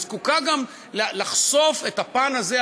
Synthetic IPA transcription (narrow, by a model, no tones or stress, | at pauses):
zkukaɡam | lalaχso̞fe̞t̪apanaze